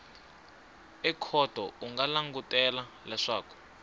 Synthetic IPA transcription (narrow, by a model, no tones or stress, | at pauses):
ɛkʰɔd̥ʱɔuŋɡalaŋɡutʼɛla | lɛʂaːkɔ̥